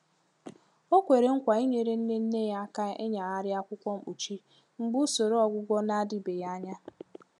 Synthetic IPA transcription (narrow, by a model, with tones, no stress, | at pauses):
o˦kʷe˨ɾe˨ŋ̩˦kʷa˨i˦ɲe˨ɾe˦n̩˦ne˦n̩˦ne˦ja˦a˦ka˦ʔe˦ɲa˨ɣa˦ɾɪ˦a˦kʷʊ˦kʷɔ˦m̩˦u˨t͡ʃi˦ | ŋ͡m̩˦ɡ͡bʊ˦so˨ɾo˦ɔ˨ɡʷʊ˦ɡʷɔ˦na˦a˦dɪ˦be˨ja˦a˦ɲa˦